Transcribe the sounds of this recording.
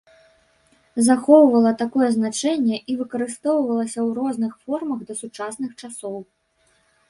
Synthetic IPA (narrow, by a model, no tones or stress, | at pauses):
zaxɔwvɐlˠɐt̪akɔjɛznat͡ʂɛnʲːɛʔivɨkɐɾɨst̪ɔwvɐlˠɐsʲɐwrɔznɨxfɔrmɐɣd̪ɐsut͡ʂasnɨxt͡ʂasɔw